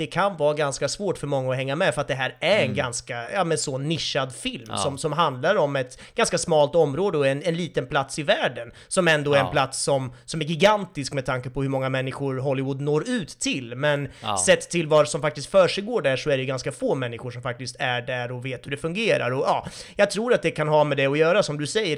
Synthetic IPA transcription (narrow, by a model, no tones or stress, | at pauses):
d̪ɛkʰanvɑːɡanskasvoːʈfœɾmɔŋːaɔɦɛŋːamɛfœɾat̪d̪ɛɦæːɾæɾɛnɡanskajɑːmɛnsɔnːɪʂːad̪fɪlmssɔmsɔmɦand̪laɾɔmɛt̪ | ɡ̥anskasmɑːlt̪ɔmːɾoːd̪əɔɛnɛnliːt̪ənpʰlat̪sɪvæːɖən | sɔmɛnd̪oːæɾɛnpʰlat̪sːɔmsɔmæɾɡɪɡant̪ɪskmɛd̪t̪ʰaŋkəpʰɔhɵɾmɔŋːamɛnːɪɧʊɾɦɔlːɪvʊd̪noːɾʉ̟ːt̪ʰːɪlmɛnsɛt̪ʰːɪlvasɔmfak̚t̪ɪskt̪fœːʂɛjɡoːɖæʂɔæɖɛjɵɡanskafoːmɛnːɪɧʊʂɔmfak̚t̪ɪst̪æɖæɾɔveːt̪hɵɖɛfɵŋɡeːɾa̰ɾɔjɑːjɑːɡ̚t̪ʰɾuːɾat̪̚d̪ɛkʰanɦɑːmɛd̪ɛɔjœːɾasɔmd̪ɵsɛjːəɾ